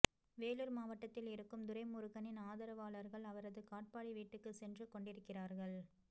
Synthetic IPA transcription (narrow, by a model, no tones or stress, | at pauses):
ʋeːlɯɾmaːʋɐʈːɐt̪ːɪlɪɾɯkːɯmd̪ʊɾɐɪmʊɾɯɣɐnɪnaːðɐɾɐʋaːɭɐɾɣɐɭɐʋɐɾɐðɯkaːʈ̚paːɽiʋiːʈːɯkːɯsɛndrɯkɔɳɖɪɾɯkːɪraːɾɣɐɭ